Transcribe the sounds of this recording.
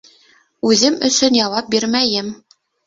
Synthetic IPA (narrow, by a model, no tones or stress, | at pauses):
ʉðɘmɵ̆sɵnjɑwɑp̚biɾmæjɘm